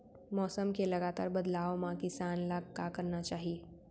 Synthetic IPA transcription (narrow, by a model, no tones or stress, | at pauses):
mɔːsəmkeləɡat̪a̰ːɾbəd̪laːʋmãkɪsanlaɡkakəɾnat͡ʃaːɦie